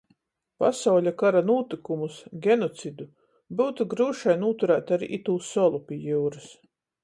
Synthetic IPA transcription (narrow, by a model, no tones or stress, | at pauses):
pa̰sawʎʲakaɾanuːt̪ikumusɡʲenɔt̪sid̪u | buwt̪uɡɾuːʃajnuːt̪uɾæːt̪aɾiʔit̪uːsɔlˠupʲiɛjuːɾɨs